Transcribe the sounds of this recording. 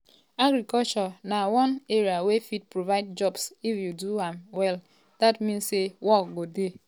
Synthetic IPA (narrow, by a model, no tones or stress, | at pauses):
aɡɾikɔlt͡ʃɔnawɔ̃neɾiawefit̚pɾovaɪd̚d͡ʒɔbsifjuduãmwɛl | d̥atmĩnsːewɔkɡode